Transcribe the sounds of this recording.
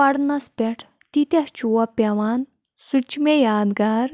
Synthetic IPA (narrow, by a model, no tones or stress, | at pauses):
ɐɽnɐspʲɛʈʰ | t̪it̪ɐt͡ʃuwɐpʲɐʋaːn | sut͡ʃmejaːd̪ɡaːɾ